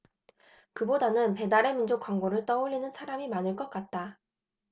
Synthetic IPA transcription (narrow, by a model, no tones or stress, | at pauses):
kɯbodanɯnpe̞daɾe̞mind͡ʑokwaŋɡoɾɯɭt͈ʌuʎːinɯnsʰaɾamimanɯɭk͈ʌt̚k͈at̚t͈a